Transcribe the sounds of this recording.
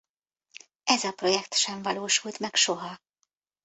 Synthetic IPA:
ɛzɒpro̞jɛkt̪ʃɛɱvɒloːʃult̪mɛkʃo̞ɦɒ

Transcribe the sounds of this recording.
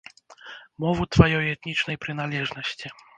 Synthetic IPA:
mɔvut̪vajɔjɛt̪nʲit͡ʂnɐjpɾɨn̪alʲɛʐnɐsʲt͡sʲi

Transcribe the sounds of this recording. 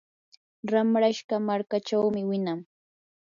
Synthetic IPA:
ɾamɾaʃɢamaɾkat͡ʃawmɪwɪnaŋ

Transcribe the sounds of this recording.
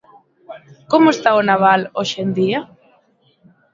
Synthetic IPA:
komʊest̪aonaβ̞aloʃend̪ia

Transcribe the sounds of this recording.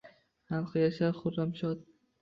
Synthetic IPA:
χalˠqʰɨjaʃaɾχʊɾːamʃɒt̪̚

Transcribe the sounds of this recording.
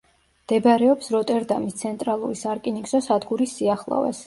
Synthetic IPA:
md̪̥ɛbɾɛɔpsɾɔt̪ʼɛɾd̪amist̪sʰɛnt̪ʼɾalˠuɾisaɾkʼiniksɔsad̪ɡuɾisːiaχlˠa̰vɛ̰s

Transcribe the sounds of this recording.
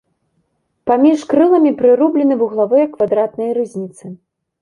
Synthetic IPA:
pamʲiʂkɾɨlˠɐmʲipɾɨɾublʲɛnɨvuɣlˠavɨjɐkvad̪ɾat̪nɐjɾɨzʲnʲit̪sɨ

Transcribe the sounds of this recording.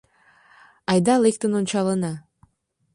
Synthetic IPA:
ɑjd̪ɑlˠekt̪ənont͡ɕɑlənɑ

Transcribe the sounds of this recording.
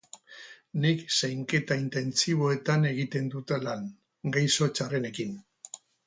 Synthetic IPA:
niksajŋke̞t̪aint̪e̞nt͡siβ̞o̞e̞t̪ane̞ɣ̞it̪e̞nd̪ut̪elaŋ | ɡajso̞t͡ʃare̞ne̞kin

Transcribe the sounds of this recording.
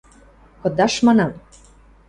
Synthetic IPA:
kɤ̆d̪ɑʃmɑnɑm

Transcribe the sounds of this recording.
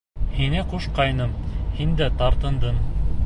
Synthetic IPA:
hinɘquʃqɑjnɤmhind̪æt̪ɑɾt̪ɤ̆nd̪ɤn

